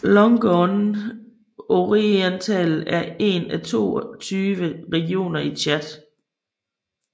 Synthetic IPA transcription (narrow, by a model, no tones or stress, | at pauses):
lɔŋɡ̥ɔn | oʁient͡sʰæl̩æɐe̝̰næt͡sʰo̝̰ːt͡sʰyːʋəʁɛɡ̥io̝̰ːnɐit͡ɕʰæd̥